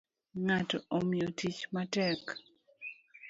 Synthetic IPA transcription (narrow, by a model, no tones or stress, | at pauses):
ŋatoʔomɪotit͡ʃmatɛk